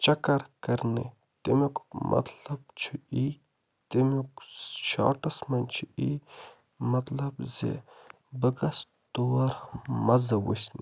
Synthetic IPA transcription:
t͡ʃɐkɐɾkɐɾnḭ | t̪imikmʔɐ̰t̪lɐb̚t͡ʃʰui | t̪imukʃa̰ːʈɐsmɐnʲt͡ʃʰui | mɐt̪lɐbzḛ | bɨkɐs | t̪uwɐɾmɐzɐwṵsnḭ

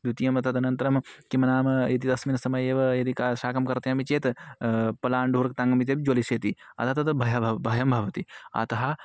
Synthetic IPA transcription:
d̪ut̪ijɐmɐt̪ɐd̪ɐnɐnt̪ɐɾɐmkimɐnaːmɐjɐt̪id̪ɐsmiːnɐsɐmɐjeːʋɐjɐd̪ikaʃaːkɐmkɐɾt̪ɐjɐmit͡ʃeːt̪ | pɐlaːɳɖʱuːɾɐk̚t̪aːŋɡɐmit̪ebid͡ʒoːliseːt̪iɐ̰t̪ʰaːt̪ɐd̪ɐbʱɐjɐbbʱɐjɐmbʱɐʋɐt̪iɐ̰t̪ɐɦɐ

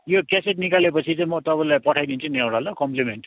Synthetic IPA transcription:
jokeseʈnikalepʌt͡sʰit͡sĩmʌt̪ʌbʌlajpʌʈʰajd̪int͡sʰʌnewɽalʌkʌmplimeɳʈ

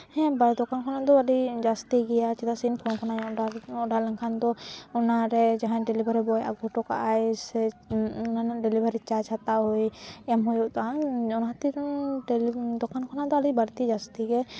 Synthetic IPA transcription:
hɛ̃bad̪ɔkankʰanad̪ɔaɖid͡ʒast̪iɡɛjat͡ʃit̪asinpʰɔnkʰanajɔ̃aɔ̃ʔɖalɛŋkʰand̪ɔunaɾɛd͡ʒaɦãnɖɛlibaɾɛbɔjʔa̰ɡɔʈɔka̰ʔajsɛnanaɖɛlibaɾit͡ʃaɾd͡ʒhat̪aɦujɛmɦujuʔt̪aaɔnɦat̪iɾɖld̪ɔkʰankʰanad̪ɔaɖibaɾt̪id͡ʒast̪iɡɛ

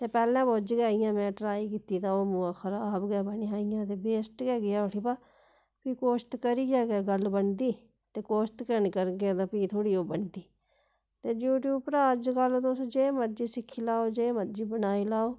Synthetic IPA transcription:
t̪eːpɛːlɛ̃ːboːd͡ʒɡaːijãːmɛ̃ːʈɾaːiːkiːt̪iːt̪ãːoːmuːãːxʰəɾaːbɡɛːbəniːaːijãːt̪eːbeːsʈɡɛːɡɪaːʊʈʰiːpaː | piːkoːʃt̪kəɾiːd͡ʒaːɡɛːɡəlbənd̪iː | t̪eːkoːʃt̪kəɾnikəɾɡet̪ãːpiːt̪ʰoːɽiːoːbəɳd̪iː | t̪eːd͡ʒjuːʈjuːbpɾaːəd͡ʒkaːloːt̪osod͡ʒeːməɾd͡ʒiːsɪkʰːiːlaːoːd͡ʒeːməɾd͡ʒiːbənaːilaːoː

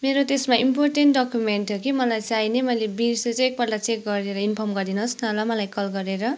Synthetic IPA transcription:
meɾot̪esmaimporʈenʈɖʌkjumenʈʰjokimʌlajt͡sajnemʌjlebiɾset͡sʌ̃ek̚bʌɾɖat͡sek̚ɡʌɾeɾʌinpʰʌmɡʌɾd̪inʌsnʌlamʌlajkʌlɡʌɾeɾʌ

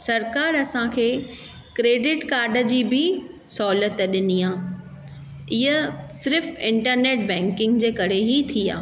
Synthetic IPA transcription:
sɐɾkaːɾɐsãkʰeː | kɾeːɖɪʈkaːɾɖə̆d͡ʑiːbɪ | sɔːlət̪ɗɪniːãː | ɪɦəsɪɾɪfɪ̃ɳʈəɾneːʈ̚bɛ̃ːŋkɪ̃ŋɡd͡ʑeːkɐɾ̤eɦit̪ʰia̰ː

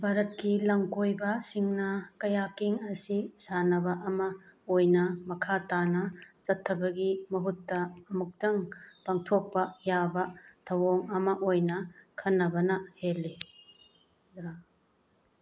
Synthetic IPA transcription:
bʱaɾɐt̚kilɐŋkojbɐsiŋnɐkɐjakiŋɐsisanɐbɐʔɐmɐojnɐmɐkʰatanɐt͡ʃɐtʰːɐbɐɡimɐɦutːɐːmuk̚tɐŋpaŋtʰok̚pɐjabɐtʰɐwoŋɐmɐʔojnɐkʰɐnːɐbɐnɐhelːi | dɾa

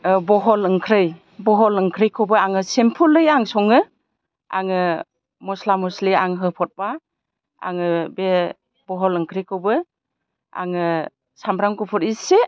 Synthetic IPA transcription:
bɔɦɔlɯŋkʰɾɯj | bɔɦɔlɯŋkʰɾɯjkʰowbɯaŋɯsempʰulɯjaŋsɔŋɯ | a̰ŋɯ | mɔslamɔsliaŋɦɯpʰɔt̚ba | a̰ŋɯbe | bɔɦɔlɯŋkʰɾɯjkʰɯwbɯ | a̰ŋɯ | sambɾamkupʰɔɾise

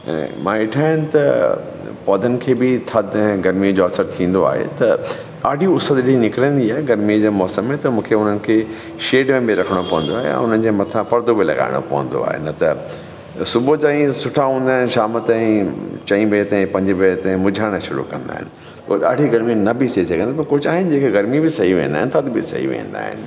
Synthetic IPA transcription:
ɛ̰̃mã̰ːɪʈʰaːɦɪnɪ̆t̪ɐ | pɔːd̪ʱənɪ̆kʰeːbɪt̪ʰɐd̪̃ɡɐɾmijd͡ʑoɐsəɾt̪ʰĩːn̆d̪oa̰ːɦḛt̪ɐ | ɗaːɖʱiʊsəd̪ĩnɪkɪɾə̃nd̪iaːɦeɡɐɾmijd͡ʑeːmɔːsəmːẽt̪ɐmũːkʰeʊn̤ənɪ̆kʰeː | ʃeːɖmẽbiɾɐkʰəɽ̃opɐʋə̃n̆d̪oaːɦḛɛ̰̃ʊn̤ənɪ̆d͡ʑeːmɐt̪ʰãpɐɾd̪obilɐ̰ɠa̰ːɪɽ̃o̰pɐ̰ʋə̰̃n̆d̪o̰a̰ːɦḛnɐt̪ɐ | sʊbʱot͡ɕãːĩsʊʈʰaɦũːnd̪aːɦɪnɪ̆ʃaːmət̪ãĩt͡ɕɐ̃ĩbet̪ɐ̃ĩpɐ̃ɲd͡ʑbet̪ɐ̃ɦĩmʊd͡ʑʱaːɽ̃əʃʊɾṵkɐ̰̃nd̪a̰ːɦɪ̰nɪ | ko̰ːɗa̰ːɖʱiɡɐɾminɐbiseit̪ʰikɐnd̪ipɐɾkʊd͡ʑaːɦɪnɪd͡ʑeːkʰeɡɐɾmibɪsɐɦiʋḛ̃nd̪aːɦɪ̃nt̪ʰəd̪bɪ̰sɐ̰ɦḭʋḛ̃ːnd̪a̰ːɦɪ̰nɪ̆

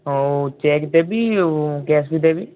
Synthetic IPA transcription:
t͡ʃɛːkd̪ɛːbiːɡɛːsbiːd̪ɛːbiː

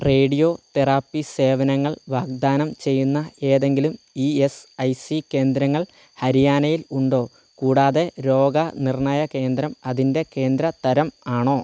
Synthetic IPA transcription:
re̞ːɽijo̞ːt̪eraːpːise̞ːʋɐnɐŋːɐɭʋaːɡ̚d̪aːnɐmt͡ɕe̞jːunːɐe̞ːðe̞ŋɡilum | iːesɐjsike̞ːnd̪ɾɐŋːɐɭ | hɐɾijaːnɐjiluɳɖo̞ː | kuːɽaːðe̞ɾo̞ːɡɐnirɳɐjɐke̞ːnd̪ɾɐmɐðinde̞ke̞ːnd̪ɾɐt̪ɐɾɐmaːɳo̞ː

